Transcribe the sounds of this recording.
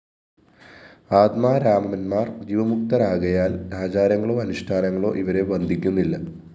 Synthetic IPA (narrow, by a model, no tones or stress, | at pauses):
aːt̪maːɾaːmɐnmaːrd͡ʑiʋɐmuk̚t̪ɐɾaːɣɐjaːlɾaːd͡ʑaːɾjɐŋːɐɭo̞ːɐnuʂʈʰaːnɐŋːɐɭo̞̰ːʔiʋɐɾe̞bɐnd̪ʱikʲːunːilːɐ